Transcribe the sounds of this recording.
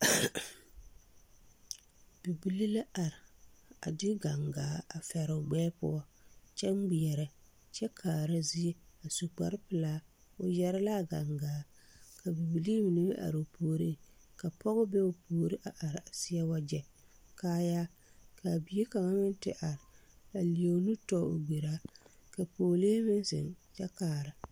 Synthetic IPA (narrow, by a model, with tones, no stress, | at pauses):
b̥i˨bi˨li˦la˦a˨ɾɪ˨a̰˨dɪ˦ɡa˨ŋɡaː˨˦a˨fɛ˨ɾɪ˨ʊ˨ɡ͡bɛː˦pʊ̰˦ɔ˦t͡ʃɛ˦ŋ˦ɡ͡bi˨ɛ˨ɾɛ˨ | t͡ʃɛ˦kʰaː˨ɾa˦zi˦e˦a˨su˨k͡pa̰˨ɾɪ˦pɪ˨laː˦ | ʊ˨jɛ˨ɾɪ˦la˦˨ɡa˨ŋɡaː˨˦ | ka˨bi˨bi˨li˦mi˨ni˦bʔa̰˨ɾʊ˨pʰoː˨ɾi˦˨ | ka˨pɔ˦ɣʊ˦bɛ˦ʊ˨pʰoː˨ɾi˦ʔa˨ʔa˨ɾa˨sɪ˦jɛ˦wa˦d͡ʒɛ˨ | kaː˦ja˦ | ka˨bi˨˦e˦ka˨ŋa˦mɪ˦n˦tɪ˦ʔa˨ɾɪ˨ | ka˨li˨e˨˦nu˦tɔ˦ʊ̰˨ɡ͡be˨ɾa˦ka˨poː˨leː˦mɪ˦n˦sɪ̰˨ŋt͡ʃɛ˦kaː˨ɾa˨